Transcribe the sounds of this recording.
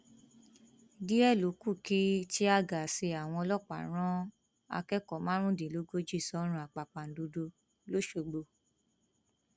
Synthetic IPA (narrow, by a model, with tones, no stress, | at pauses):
di˦ɛ˦˨lo˨˦ku˦˨ki˦ti˦a˧ɡa˨se˧a˨w̃ɔ̃˧ɔ˧lɔ˦˨k͡pa̰˨ɾ̃ã˦ | a̰˧kɛ˦kɔ˨mã˦ɾ̃ũ˦di˨lo˨˦ɡo˦d͡ʒi˦˨sɔ˨˦ɾ̃ũ˧a˨k͡pa˨k͡pa˨n̩˨do˧do˧ | lo˨˦ʃo˧ɡ͡bo˧